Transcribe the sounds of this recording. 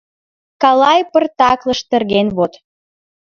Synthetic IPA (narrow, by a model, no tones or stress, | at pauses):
kɑlɑjpərt̪ɑkləʃt̪ə̆rɣenβot̪